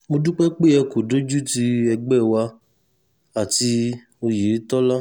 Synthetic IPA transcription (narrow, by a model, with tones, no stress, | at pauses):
mo˧du˦k͡pɛ˦k͡pe˦ɛ˧ko˨do˦d͡ʒu˦ti˧ɛ˧ɡ͡bɛ˦˨wa˧ | a˨ti˧ | o˧je˨˦tɔ˦la˦